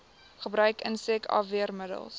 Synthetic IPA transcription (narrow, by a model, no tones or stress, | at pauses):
χəbɾœɥkə̰nsɛkʰɑ̰ːviərmədə̰lˠs